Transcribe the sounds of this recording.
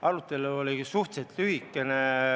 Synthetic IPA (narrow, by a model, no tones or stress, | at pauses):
ʔɑɾut̪ːˑe̞luolʲisuht̪set̪ːyɦikːˑe̞ne